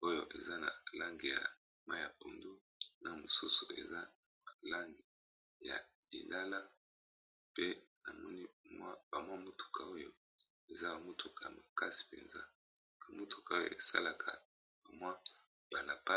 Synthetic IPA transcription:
o˦jo˨ʔe˨za˦na̰˨la˦ŋɡi˨ja̰˨ | ma˦˨ja˨po˨ndu˦ | na˨mu˨su˦su˨e˨za˦ | a˨la˦ŋɡi˨ | ja̰˨li˨la˦la˦ | pe˦na˨mɔ˦ni˦mwa˦ba˨mwa˦mo˦tʰu̥˨kʰa˨o˦jo˨ | e˨za˦ba˨mo˦tʰu˨kʰa˨a˨ma˨ka˦si̥˨pḛ˨nza̰˦ | a˨mo˦tʰu̥˨ka˨o˦jo̰˨e˨sa̰˦la˨kʰa˨ | ba˨mwa˦ | b̥a˨na˨pa˦

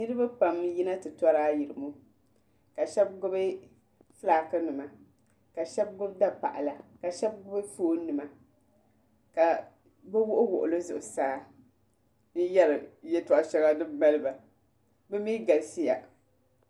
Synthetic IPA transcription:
nɨ˦ɾɨ˦ba˦pa˨mji˦na˦tɨ˨tɔ˦ɾaː˦ji˨ɾɨ˨mu˦ | ka˨ʃɛ˦b̚ɡʊ˦bɨ˦ | flaː˨˦kɨ˦nɨ˨ma˨ | ka˨ʃɛ˦b̚ɡʊ˦bda˦pa̰˨ʔa˨la˨ka˨ʃɛ˦b̚ɡʊ˦bɨ˦foː˦nɨ˨ma˨ | ka˨ | bɛ˦wʊ˦ʔʊ˦wʊ̰˨ʔʊ̰˨lɨ˦zʊ˨ʔʊ˨saː˦ | nɨ˦jɛ˦ɾɨ˨jɛ˦ta˦˨ʔa˦ʃɛ˦ɡa˦dɨ˦ma˦lɨ˦ba˨ | bɛ˦miː˦ɡa˨lsi˦ja̰˨

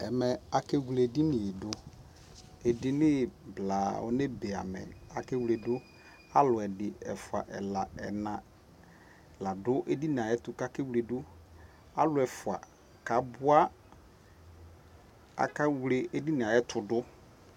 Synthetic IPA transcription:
ɛ˨mɛ˨a˨ke˦ɡle˨dɪ˦nɪ˨e˨dʊ˦ | ɛ˨dɪ˦nɪ˦˨bla˨ɔ̰˦ne˦be˨a̰˨mɛ̰˨a˨ke˦wu˦le˨dʊ˦ | a˦lʊ˨ɛ˨dɪ˨ɛ̰˨fʊ˨a̰˨ʔɛ̰˨la˨ɛ̰˨nã˨ | ɛ˨la˨dʊ˦ʔe˦di˦n˨a˨jɛ˦tʊ˨ka˦ke˦wu˦le˨dʊ˦ | a˦lʊ˨˦ɛ˨fʊ˨a̰˨ | ka˨bʊ˦a˦ | a̰˨ka˦wle˨e˦di˦nɪ˨a˨jɛ˦tʰʊ˨dʊ˦

